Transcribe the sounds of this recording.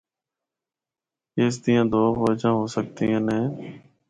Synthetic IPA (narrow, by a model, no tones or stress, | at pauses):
eːs̬t̪iːjãːd̪oːoːd͡ʒãːɦoːsəkt̪iːãːnẽː